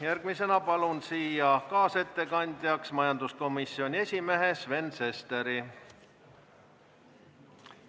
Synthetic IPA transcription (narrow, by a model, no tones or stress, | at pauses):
jærɡ̥mise̞nɑpɑlunsiːjɑkɑːse̞t̪ːe̞kɑnʲd̪̥ʲjɑksmɑjɑnd̪̥usko̞misːio̞nʲie̞sʲime̞ɦesve̞nse̞st̪e̞ɾi